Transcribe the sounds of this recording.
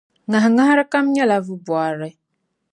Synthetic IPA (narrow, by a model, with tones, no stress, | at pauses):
ŋã˨ɦa˨ŋã˦ha˦ɾɨ˦ka˦m˦ɲɛ˦la˦vɨ˦bwa˨ɾɪ˦